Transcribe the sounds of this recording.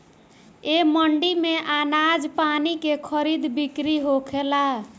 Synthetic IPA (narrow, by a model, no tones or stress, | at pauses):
eməɳɖimeʔanad͡ʒpanikekʰəɾid̪bikɾiɦokʰela